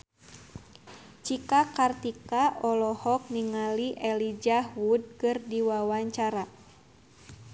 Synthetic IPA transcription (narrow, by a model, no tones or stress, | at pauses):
t͡ʃikakart̪ikaʔɔlɔhɔk̚niŋaliʔɛlid͡ʒahwud̚kɨrdiwawaɲt͡ʃaɾa